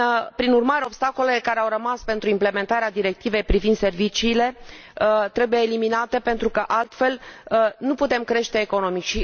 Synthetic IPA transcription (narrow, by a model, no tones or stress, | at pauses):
pɾinurmaɾeo̞bst̪ako̞lelekaɾeawrəmaspe̞nt̪ɾuimple̞me̞nt̪aɾead̪iɾe̞k̚t̪ive̞jpɾivind̪se̞rvit͡ʃiːle̞ | t̪ɾe̞buje̞ːliminat̪e̞pe̞nt̪ɾukəʔalt̪fe̞lnuput̪e̞mkɾe̞ʃt̪e̞ːko̞no̞mikʃi